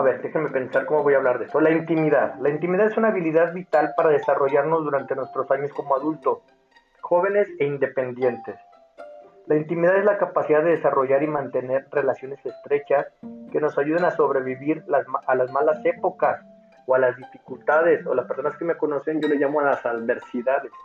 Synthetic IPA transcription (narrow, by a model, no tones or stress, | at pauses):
aβe̞ɾd̪e̞xeme̞pe̞nsaɾko̞mo̞βo̞jaːβlaɾðe̞st̪o̞laint̪imiðaðlaint̪imiðaðesunaːβiliðaðβit̪alpaɾaðe̞saro̞ʝaɾno̞zðuɾant̪e̞nwe̞st̪ɾo̞saɲo̞sko̞moaðult̪o̞s | xo̞β̞e̞ne̞se̞ind̪e̞pe̞nd̪je̞nt̪e̞s | laint̪imiðaðezlakapasiðaððeðe̞saro̞ʝaɾimãnt̪e̞ne̞ɾre̞lasjo̞ne̞se̞st̪ɾe̞t͡ʃaske̞no̞saʝuðenaso̞βɾe̞βiβiɾalazmalase̞po̞kas | oalazðifikult̪að̞e̞solaspeɾso̞naske̞meko̞no̞se̞nɟo̞leʝamo̞alasaðβe̞ɾsiðaðes